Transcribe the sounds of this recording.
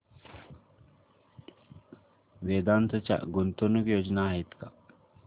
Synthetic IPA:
ʋeːd̪ant̪ʰət͡ɕa̰ɡunt̪onukjoːd͡ʒnaːɦit̪ka

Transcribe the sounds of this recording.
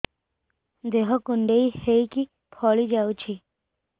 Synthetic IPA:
d̪eɦɔkuɳɖeiheiki | pʰɔɭid͡ʒaut͡ʃʰi

